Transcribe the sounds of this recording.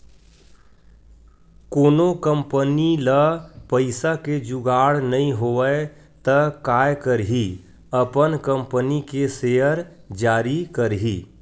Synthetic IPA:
koːnokəmpəniləpəɪsaked͡ʒuɡaːɽnəĩɦoːə | t̪əkaːjkəɾɦi | əpənkə̃mpənikeseːəɾ | d͡ʒaːɾikəɾɦiː

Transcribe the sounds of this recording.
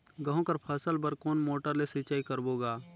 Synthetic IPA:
ɡɐɦõkəɾpʰəsəlbəɾkoːnmoːʈəɾlesit͡ʃaːikəɾboːɡaː

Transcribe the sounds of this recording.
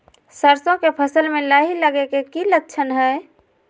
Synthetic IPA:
səɾsõkepʰəsəlmelaɦiləɡekekilək̚t͡ʃʰənɦəɪ

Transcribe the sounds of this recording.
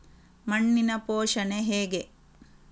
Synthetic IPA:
mɐɳːinɐpoːʂɐneɦeːɡe

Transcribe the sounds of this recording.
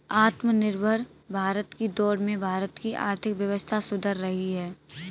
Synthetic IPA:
aːt̪mənɪɾbʱəɾbʱaːɾət̪kid̪ɔːɽmẽbʱaːɾət̪kiʔa̰ːɾt̪ʰɪkʋjəʋəst̪ʰasʊd̪ʱəɾːɐɦiɦɛː

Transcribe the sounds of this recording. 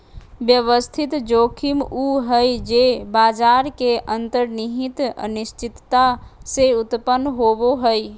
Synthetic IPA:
bjəʋəst̪ʰɪt̪d͡ʒoːkʰimuɦəjd͡ʒebaːd͡ʒaːɾkeʔənt̪əɾniɦit̪ə̰nɪst͡ʃʰɪt̪ːaseʊt̪pənːɦoboɦəj

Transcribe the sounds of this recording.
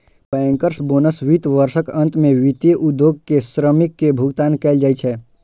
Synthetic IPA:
pɛ̃ŋkəɾsboːnəsʋit̪ʋəɾʃəkə̃nt̪mẽʋit̪jəʔʊd̪ːjoːɡ̚kesɾəmɪkːebʱʊɡt̪aːnkɛːld͡ʒaːit͡ʃʰɛː

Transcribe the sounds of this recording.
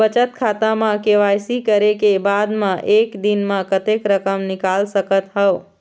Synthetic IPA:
bət͡ʃət̪̚kʰat̪amãkeʋajsikəɾekebad̪mãʔekd̪inmãkət̪ekɾəkəmnikalsəkət̪ɦəo

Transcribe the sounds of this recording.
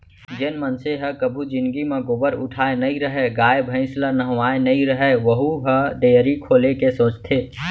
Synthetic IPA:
d͡ʒenmənseɦəkəbʱud͡ʒɪ̃nd̪ɡimẽɡobəɾʊʈʰaːenɐɦĩɾəɦeɡaːebʱə̃ɪ̃slənəɦʋaːenɐɦĩɾəɦeʋəɦuɦəɖ̪eːɾikʰoːlekesoːt͡ʃt̪ʰeː

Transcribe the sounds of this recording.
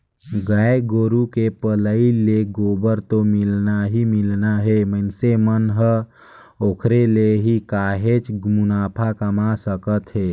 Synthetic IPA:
ɡəeɡoːɾukepələileɡoːbəɾt̪omɪlnaɦimɪlnaɦemənsemənɦə | oːkʰɾeleɦikaːɦet͡ʃmʊnaːpʰakəmasəkət̪ɦeː

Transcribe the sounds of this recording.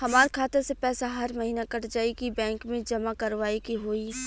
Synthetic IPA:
hɐmaːɾekʰaːt̪ɪɾsepɛːsaɦɐɾmɐɦiːnakɐʈd͡ʒaːikibɛ̃ːŋkmẽd͡ʒɐmakɐɾʋaːikiɦoːiː

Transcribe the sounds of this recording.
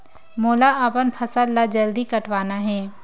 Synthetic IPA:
moːlaapənpʰɐsəlːad͡ʒɐld̪ikəʈʋaːnaɦɛ̃ː

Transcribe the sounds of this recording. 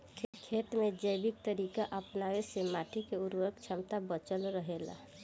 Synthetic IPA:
kʰkʰeːʈ̪mẽd͡ʒəjbɪk̚t̪əɾiːkaʔəpnaːwesemaːʈʰikeʊɾwək̚t͡ʃʰamt̪abət͡ʃəlɾəɦela̰

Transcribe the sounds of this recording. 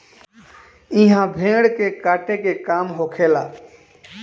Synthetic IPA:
ɪɦãbʱẽːɽkekaːʈekekaːmɦoːkʰeːlaː

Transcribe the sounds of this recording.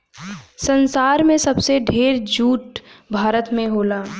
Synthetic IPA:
sə̃nsaːɾmẽsɐbseɖʱeːɾd͡ʒuːʈbʱaːɾət̪mẽɦoːlaː

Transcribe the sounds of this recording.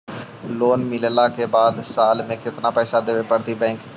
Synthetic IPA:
loːnmɪllakebaːd̪saːlmẽkɪt̪napɛːsad̪eːʋepəɽt̪ibɛ̃ːŋk

